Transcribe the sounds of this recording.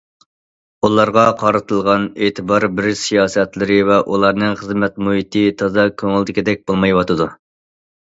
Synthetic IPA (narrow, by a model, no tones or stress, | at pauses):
ulˠɑɾʁɑqʰɑɾɨt̪ʰɨlˠʁɑneːt̪ʰɨbɑɾbɪɾsijɑːsɛt̪lɪɾɪvɛʔulˠɑɾnɨŋχəzmɛt̪muɦit̪ʰɨt̪ʰɑzɑkʲʰøŋɪld̪ɪkʲɪd̪ɛk̚ʲbolˠmɑjwɑt̪ʰɨd̪u